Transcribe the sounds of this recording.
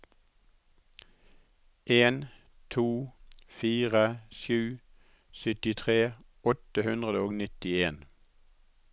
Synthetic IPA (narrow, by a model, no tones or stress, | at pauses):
ʔeːn | t̪ʰuːfiːʁəʃjʉː | sʏt̪ɪt̪ʰʁeː | ɔt̪əhʉnd̪ʁəd̪əoːɡnɪt̪ɪeːn